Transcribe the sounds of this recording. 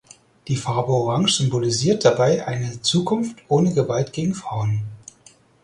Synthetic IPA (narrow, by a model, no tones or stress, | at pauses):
d̥iːfaɐbəoʁaŋz̥ʏmboliziːɐt̚d̥abaɪʔa̰ɪnət͡suːkʰʊnftʰʔoːnəɡəvaltɡ̥eːɡŋ̩fʁ̥aʊən